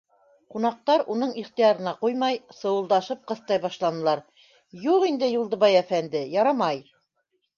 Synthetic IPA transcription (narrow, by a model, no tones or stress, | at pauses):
qunɑq̚t̪ɑɾunɤɴiχt̪ijɑɾɤ̆nɑqujmɑjsɤ̆wɤ̆lˠd̪ɑʃɤp̚qɤ̆θt̪ɑjbɑʃlˠɑnɤ̆lˠɑɾ | juʁind̪ɘjulˠd̪ɤ̆βɑjæfænd̪ɘjɑɾɑmɑj